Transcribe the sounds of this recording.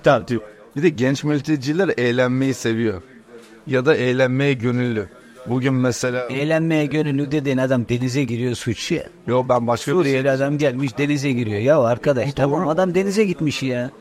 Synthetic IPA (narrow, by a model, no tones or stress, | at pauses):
t̪ʰab̪ | bid̪ɛɟɛnt͡ʃmylʲt̪ʰed͡ʒilʲæɾʔejlʲænme̞jise̞vijoɾ | jad̪aejlʲænmejɛɟø̞nylʲːy | buɟynmɛse̞lʲaːejlʲænmejɛɟønylʲːyd̪ed̪enad̪amd̪e̞nizɛɟiɾijo̞sut͡ʃja̰jokbænbaʃkʰad̪ijelad̪amɟælʲmiʃd̪e̞nizɛɟiɾijo̞jaoaɾkʰad̪aʃt̪ʰabamad̪amd̪e̞nizɛɟit̪miʃja